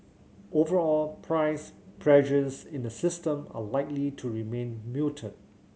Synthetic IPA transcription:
ʔovəɹɔlpʰɹaɪspʰɹɛʒəsɪ̃ndəsɪstə̃ma̰laɪklitʰuɹimẽnmutʰə̃d̚

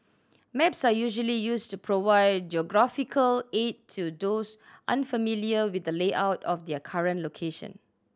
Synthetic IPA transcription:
mɛpsajuʒəlijustupʰɹovaɪd̚d͡ʒiɔɡɹafikʰəlettʰːudosʔã̰nfəmiliəwid̚dəleʔaʊtɔfdɛkʰaɹə̃nlokʰeʃə̰̃n

